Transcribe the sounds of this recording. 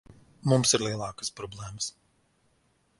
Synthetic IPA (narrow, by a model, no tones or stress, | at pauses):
mumsiɾlʲˠiɛlˠɑːkə̥spɾɔblʲˠɛːməs